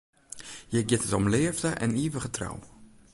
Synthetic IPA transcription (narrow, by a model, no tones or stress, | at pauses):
jɛɡɪtətɔmlɪəvdəʔɛ̰niːʋəɣətra̰w